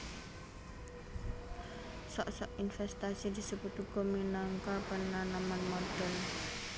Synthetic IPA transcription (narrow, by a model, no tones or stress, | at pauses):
sɔʔsɔʔinfɛst̪asid̪i̤səput̪uɡɔminaŋkapənananmanmɔd̪̥ɔn